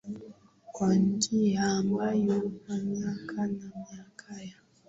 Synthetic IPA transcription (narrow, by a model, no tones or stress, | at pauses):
kwan̩d͡ʒihamajokamiakʰanamiakʰaja